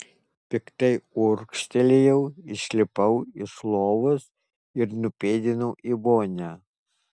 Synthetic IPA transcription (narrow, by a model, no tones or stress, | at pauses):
pʲɪkt̪ɐɪʊɾkʃʲt̪ʲɛlʲejɛʊɪʃʲlʲɪpɐʊɪslˠoːʋʊs | ɪɾnʊpʲeːd̪ʲɪnɐʊʔiboːnʲæː